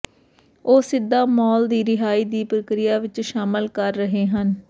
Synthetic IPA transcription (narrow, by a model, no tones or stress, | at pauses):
oːsɪd̪ːaːmɔːld̪iːɾɪɦaːiːd̪iːpɾəkɾɪjaːʋɪt͡ʃʃaːməlkəɾːəɦeːɦən